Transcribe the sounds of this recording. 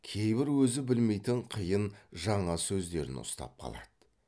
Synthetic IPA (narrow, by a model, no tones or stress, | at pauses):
kʲʰe̞jbɪɾwɵzɪbɪlme̞jt̪ɪɴqʰəjənʒɑɴɑsɵzd̪e̞ɾɪ̰nʊ̰st̪ɑ̰p̚qʰɑ̰lˠɑ̰d̪̥ə